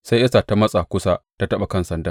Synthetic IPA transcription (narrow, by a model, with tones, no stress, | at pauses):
sa˦jʔɐ˦sa˨ta˦mɐ˦sʼa˨kʷʊ˦sa˦ta˦tɐ˦ɓa˨kɐ˦nsɐ˨ndɐ˦